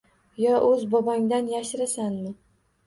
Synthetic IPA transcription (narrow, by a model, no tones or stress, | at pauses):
jɒʔɵzbɒbaŋd̪anjaʃɪɾasanmɪ